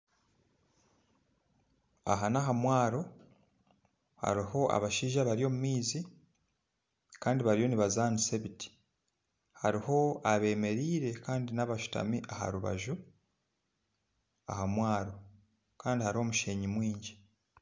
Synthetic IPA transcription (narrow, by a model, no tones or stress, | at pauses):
a̰ɦanaɦamwaːɾo̞ | ha̰ɾiho̞a̰βaʃiːʒaβaɾijo̞ːmumiːzi | kaːndiβaɾijo̞niβazaːniseβiti̥ | haɾiho̞aβe̞ːme̞ɾiːɾe̞kaːndinaβaʃu̥ta̰miʔaha̰ɾuβa̰ʒu | a̰hamwaːɾo̞ | kaːndihaɾiho̞ːmuʃe̞ːɲimwiːɲɟi